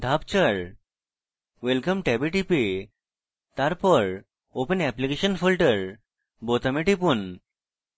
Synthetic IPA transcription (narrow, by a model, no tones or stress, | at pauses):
d̪ʱapt͡ɕəɭ | ʋelkəmʈɛbeʈipe | t̪aɾpəɾ | opənɛplikeɕənfilʈəɾ | bot̪əmeʈipun